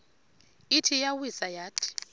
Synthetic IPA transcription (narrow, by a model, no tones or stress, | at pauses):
itʰijawisajaːtʰʼi̥